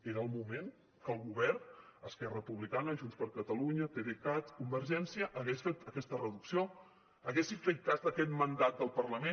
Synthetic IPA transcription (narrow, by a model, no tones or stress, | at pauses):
eɾəːlˠmumeŋ | kəlˠɣuβɛrnəskɛrəpuβlikanəʒunspəɾkət̪əluɲət̪eβekat̪kumbəɾʒɛnsiəʔəɣesfet̪əkɛst̪ərəðuksio | əɣesifek̚tat̪əkɛt̪mənd̪at̪̚d̪əlˠpərləme